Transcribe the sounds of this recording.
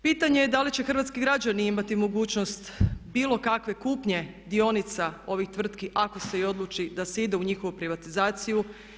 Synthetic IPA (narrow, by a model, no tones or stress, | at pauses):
piːt̪aɲe̞jed̪alit͡ɕe̞xr̩ʋat̪skiɡɾad͡ʑaniimat̪imo̞ɡuːt͡ɕno̞st̪biːlo̞kakʋe̞kuːpɲe̞d̪io̞nit̪sao̞ʋixt̪ʋr̩t̪kiʔako̞se̞io̞d̪lˠut͡ʃid̪aseid̪euɲixo̞ʋupɾiʋat̪izaːt̪siju